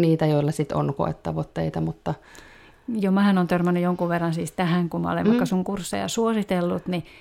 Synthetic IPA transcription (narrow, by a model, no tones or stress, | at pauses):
niːt̪æjoilːɑsit̪o̰nko̰ḛt̪ːɑʋot̪ːeit̪ɑmut̪ːɑ | jomæhænont̪ørmænːyjoŋkuʋʋerːɑnsiːst̪æhæŋkumɑ̰o̰lḛʋʋɑikːɑsuŋkursːḛjɑ̰suosit̪elːut̪ni